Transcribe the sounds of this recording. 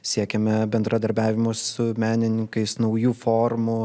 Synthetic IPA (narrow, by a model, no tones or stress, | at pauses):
sʲiɛkʲɛmʲɛbʲɛnd̪ɾɐd̪ɐɾʲbʲæːʋʲɪmʊsʊmʲæːnʲɪnʲɪŋkɐɪsnɐʊjuːfoːrmʊ